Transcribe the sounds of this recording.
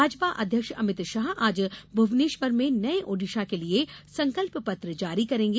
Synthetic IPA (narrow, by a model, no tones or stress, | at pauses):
aːd͡ʒpaʔɐd̪ʱjəkʃɐmɪt̪ʃaːɦaːd͡ʒbʱʊʋneːʃʋəɾmẽnɐeʔoːɖɪʃakeliesɐ̃ŋkəlppɐt̪ɾəd͡ʒaːɾikɐɾẽːŋ̆ɡe